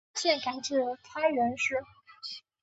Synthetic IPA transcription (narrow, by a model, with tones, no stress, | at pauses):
ɕjɛ˥˩nka˨˧˩nt͡ɕɥɛ˨˩t̪ʰa˥ɻə˧˥nʂɻ̩˥